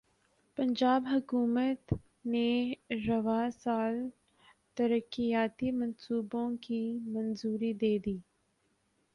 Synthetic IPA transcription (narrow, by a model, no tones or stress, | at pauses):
pɐ̃ɲd͡ʒaːbɦʊkuːmət̪ | neɾɐʋasaːl | t̪ɐɾəkːijaːt̪imɐ̃nsuːbõkimɐ̃nzuːɾid̪eːd̪iː